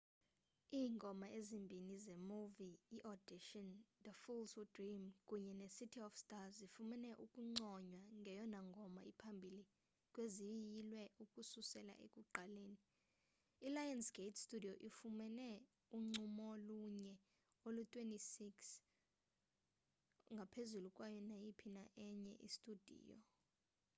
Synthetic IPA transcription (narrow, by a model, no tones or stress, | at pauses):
iːŋɡʱɔmaʔezimbʱinizemuviːʔɔd̥iʃɔnd̪əfulsudrimkʼuɲɛnesitʰiɔfstʼazifumɛnɛʔukʼuŋ͡ǀɔɲwaŋɡʱɛjɔnaŋɡʱɔmaipʰambʱili | kʼwezijilwɛukʼususɛla̰ʔḛkʼuǃaleːniː | lajansɡ̥ʱetʰstʼudʱijoʔifumɛnɛ | uŋ͡ǀumɔluɲɛ | olutʼwentʼisiks | ŋɡʱapʰezulukʼwajɔnajipʰinaʔɛɲɛ̰ʔḭstʼud̥ʱḭːjɔ̰